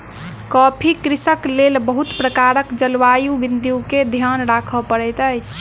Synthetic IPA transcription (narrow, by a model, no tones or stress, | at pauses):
kɔpʰikɾisəklelbəɦut̪pɾəkaɾəkd͡ʒəlʋajuʋind̪juked̪ʱjanɾakʰəpəɾɛjt̪əjt͡ʃʰ